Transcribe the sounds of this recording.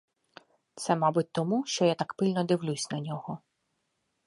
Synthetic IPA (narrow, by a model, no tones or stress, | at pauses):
t̪sɛmɑbʊtʲt̪ɔmuʃt͡ʃɔjat̪ɑkpɪlʲnɔd̪ɪwlʲusʲnɐnʲɔɦɔ